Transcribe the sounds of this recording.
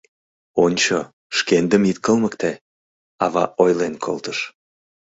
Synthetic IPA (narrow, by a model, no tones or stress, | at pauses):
onʲt͡ɕo | ʃkend̪əmit̪̚kəlməkt̪e | ɑβɑ̰ʔojlenkʰolt̪əʃ